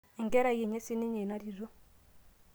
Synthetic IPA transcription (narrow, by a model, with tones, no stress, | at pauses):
i˨ŋɡɛ˦ɾa˦˨je˨ɲɛ˦sɪ˦nɪ˦ɲe˨na˦ɾi˨ɾɔ˦